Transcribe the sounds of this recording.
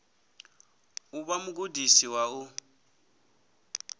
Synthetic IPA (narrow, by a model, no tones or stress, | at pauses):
uβamʊk̬udisiwau